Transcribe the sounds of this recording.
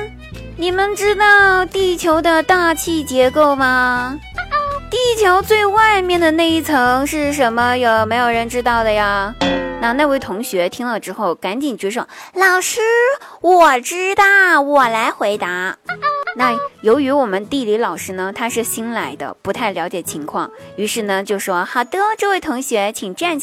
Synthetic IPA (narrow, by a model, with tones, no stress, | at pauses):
ni˨˩mə˨nʈ͡ʂɻ̩˥t̪ɑ˥˩ʊt̪i˥˩t͡ɕʰjo˧˥ʊd̪ə˧t̪a˥˧t͡ɕʰi˥˩t͡ɕjɛ˧˥ko˥˩ʊmɐ˩ | t̪i˥˩t͡ɕʰjo˧˥ʊt͡swe˥˧ɪwa˥˧ɪmjɛ˥˩nd̪ə˩na˥˧ɪi˥˩t͡sʰɤ˧˥ŋʂɻ̩˥˩ʂ̬ə˧˥nmə˧jo˨˧˩ʊme˧˥ɪjo˨˩ʊɻə˧˥nʈ͡ʂɻ̩˥t̪ɑ˥˩ʊd̪ə˩ja˩na˥˧na˥˧we˥˩ɪt̪ʰʊ˧˥ŋɕɥɛ˧˥t̪ʰi˥ŋlə˨˩ʈ͡ʂɻ̩˥xo˥˩ʊka˧˥nt͡ɕi˨˩nt͡ɕɥɛ˧˥ʂ̬o˥˩ʊlɑ˨˩ʊʂɻ̩˥wɔ˨˩ʈ͡ʂɻ̩˥t̪ɑ˥˩wɔ˨˩la˧˥ɪxwe˧˥ɪt̪a˧˥na˥˩jo˧˥ʊy˧˥wɔ˨˩mə˦nt̪i˥˧li˧˥lɑ˨˩ʊʂɻ̩˥nə˧t̪ʰa˥ʂɻ̩˥˩ɕi˥nla˧˥ɪd̪ə̰˧pu˧˥t̪ʰa˥˩ɪljɑ˧˥ʊ̯t͡ɕjɛ˨˩t͡ɕʰi˧˥ŋkʰwɑ˥˩ŋy˧˥ʂɻ̩˥˩nə˩t͡ɕjo˥˧ʊ˩ʂwɔ˥xa˨˩t̪ɤ˥ʈ͡ʂɤ˥˧we˥˩ɪt̪ʰʊ˧˥ŋɕɥɛ˧˥t͡ɕʰi˨˩ŋʈ͡ʂa˥˩nt͡ɕ